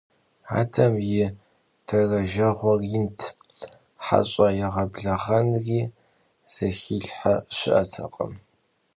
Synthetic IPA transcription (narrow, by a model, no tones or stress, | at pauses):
a̰ːtʰɐmjɪ | tʰɐrɐʒɐʁʷɔrjɪntʰ | ħa̰ɕʼɐjɛʁɐbɮɐʁɐnriː | z̥ɐxiːɬħaɕʷɪʔɐtʰɐ̰qʼə̰m